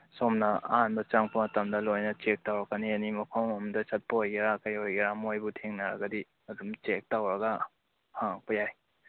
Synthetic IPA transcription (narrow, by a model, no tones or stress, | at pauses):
somnɐa̰anbɐt͡ʃaŋpʰɐmɐtɐmdɐlojnɐt͡ʃek̚tawɾɐkanianimɐkʰawmdɐsɐt̚pɔhojɡeɾakajojeɾamojbutʰeŋnaɾɐ̰ɡɐdi | ɐdumt͡ʃek̚tawɾɐɡa | hapujaj